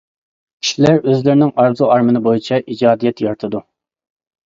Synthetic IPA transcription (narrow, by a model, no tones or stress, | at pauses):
kʲʰi̥ʃilæɾøzlɪɾɪnɪŋɑɾzuɑɾmɨnɨbojit͡ʃʰɛʔid͡ʒɑːd̪ijɛt̪jɑɾt̪ʰɨd̪u